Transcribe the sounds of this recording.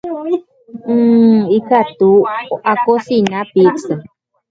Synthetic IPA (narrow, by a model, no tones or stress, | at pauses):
ikat̪uʔakosinapiksɨ